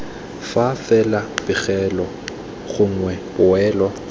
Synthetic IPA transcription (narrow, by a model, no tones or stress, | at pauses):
fafɛlab̥ɪɣɛlɔ | χʊŋ̩wɛbʊɛːlɔ